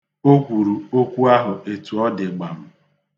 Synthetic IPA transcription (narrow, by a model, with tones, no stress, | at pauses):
o˦kʷu˨ɾu˨o˦kʷu˦a˦ɦʊ˨ʔe˨tu˨ɔ˦dɪ˨ɡ͡ba˨m̩˨